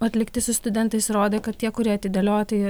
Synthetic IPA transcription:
ɐt̪ʲlʲɪkt̪ʲɪsʊst̪ʊd̪ʲɛnt̪ɐɪsɾoːd̪ʲeːkɐt̪̚t̪ʲiɛkʊɾʲiɛɐt̪ʲɪd̪ʲɛlʲoːt̪ɪ

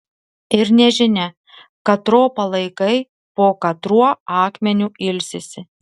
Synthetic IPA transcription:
ɪɾnʲɛʒʲɪnʲɛ | kɐt̪ɾoːpɐlˠɐɪkɐɪ | poːkɐt̪ɾuɔɑːkmʲɛnʲuɪlʲsʲɪsʲɪ

